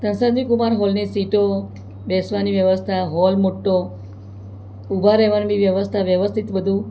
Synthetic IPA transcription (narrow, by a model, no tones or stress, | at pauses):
t̪ə̃nsãd̪ikumaɾɦɔlnesiʈo | bɛsʋaniʋjəʋəst̪ʰaɦɔlmoʈːo | ubʱaɾɛɦʋaniʋjəʋəst̪ʰaʋjəʋəst̪ʰit̪bəd̪ʱũ